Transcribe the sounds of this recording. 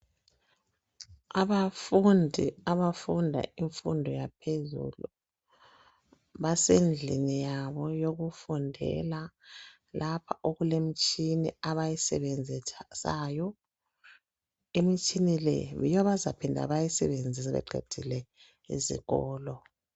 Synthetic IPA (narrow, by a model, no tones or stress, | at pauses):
aβafundʱiaβafundʱa̰iɱfundʱɔjapʰezṵlu | βasend͡ɮʱḭnijaβɔjoɣufundʱɛ̰la | lʔapʰaʔoɣulem̩t͡ʃʼiniaβajisɛβend͡zʱisajɔ | emit͡ʃʼinilɛ̰jɔβazapʰindʱa̰βajisɛβend͡zʱisaβɛ̰ɡ͡ǃʱḛd̥ʱilɛ | ḭzḭɣɔːlɔ